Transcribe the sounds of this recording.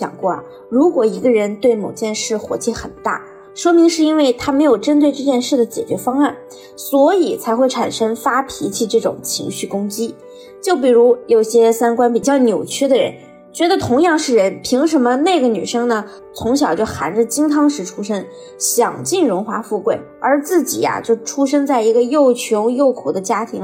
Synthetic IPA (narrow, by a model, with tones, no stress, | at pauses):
ɕjɑ̰˨˩ŋkwɔ˥˩ɐ̰˩ | ɻu˧˥kwɔ˨˩i˧˥ɡə˧ɻə˧˥nt̪we˥˩ɪmo˨˩ʊt͡ɕjɛ˥˧nʂɻ̩˥˩xwɔ̰˧˥t͡ɕɛ˥˩xə˨˩nt̪a̰˥˩ | ʂwɔ˥mi˧˥ŋʂɻ̩˥˩i˥nwe˥˩ɪt̪ʰa˥me˧˥ɪjo˨˩ʊʈ͡ʂə˥nt̪̬we˥˧ɪʈ͡ʂɤ˥˧t͡ɕjɛ˥˧nʂɻ̩˥˩d̪ə˩t͡ɕjɛ̰˨˩t͡ɕɥɛ˧˥fɑ˥ŋa˥˩n | swɔ˧˥i˨˩t͡sʰa˧˥ɪxwe˥˩ɪʈ͡ʂʰa˨˩nʂə˥ŋfa˥pʰi˧˥t͡ɕʰi˥˩ʈ͡ʂɤ˥˩ʈ͡ʂʊ̰˨˩ŋt͡ɕʰḭ˧˥ŋɕy˥˩kʊ˥ŋt͡ɕi˥ | t͡ɕjo˥˩ʊp̬i˨˩ɻu˧˥jo˨˩ʊ˩ɕjɛ˥sa˥nkwa˥npi˨˩t͡ɕjɑ˥˩ʊnjo˨˩ʊt͡ɕʰɛ˥d̪ə˨ɻə̰˧˥n | t͡ɕɥɛ˧˥d̪ə˧t̪ʰʊ˧˥ŋjɑ˥˧ŋʂɻ̩˥˩ɻə˧˥npʰi˧˥ŋʂ̬ə˧˥mə˧ne˥˩ɪɡə˩ny̰˨˩ʂɤ˥ŋnə˨ | t͡sʰʊ˧˥ŋɕjɑ˨˩ʊt͡ɕjo˥˩ʊxa˧˥nʈ͡ʂə˥˧t͡ɕi˥ŋt̪ʰɑ˥ŋʂɻ̩˧˥ʈ͡ʂʰu˥ʂə˥ŋ | ɕjɑ˨˩ŋt͡ɕi˥˩nɻʊ˧˥nxwa˧˥fu˥˧kwe˥˩ɪə˞˧˥t͡sɹ̩˥˩t͡ɕḭ˨˩a̰˥t͡ɕjo˥˩ʊʈ͡ʂʰu˥ʂ̬ə˥ŋt͡sa˥˩ɪi˧˥ɡə˧jo˥˩ʊt͡ɕʰjʊ˧˥ʊjo˥˩ʊkʰu˨˩d̪ə˦t͡ɕja˥t̪ʰi˧˥ŋ